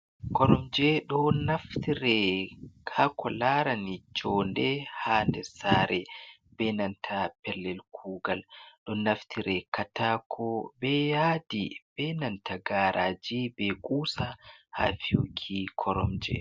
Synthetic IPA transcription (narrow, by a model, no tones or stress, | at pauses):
kʰɔɾɔmd͡ʒɛɗɔnaft̪iɾɛkʰakʰɔlaːɾanid͡ʒɔːndɛhaːndɛsaːɾʔɛ | bɛːnantʰapɛlːɛlkʰuːɡalɗɔnɐft̪ʰiɾɛkʰataːkʰɔbɛjaːdib̥ɛnantʰaɡaːɾʔaːd͡ʒibɛkʼuːsaha̰ːfiukʰikʰɔɾɔmd͡ʒɛ̰